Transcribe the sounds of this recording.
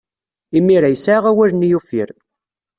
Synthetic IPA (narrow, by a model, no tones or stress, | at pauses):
imːiɾæjsaʁæwæɾnijufiɾ